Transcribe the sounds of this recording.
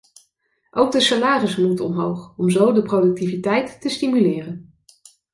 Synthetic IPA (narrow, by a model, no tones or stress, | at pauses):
ʔowɡ̚dəsalaːrəsmutɔmɦowχɔmzowdəprodɵk̚tivitɛjtːəstimylɪːrən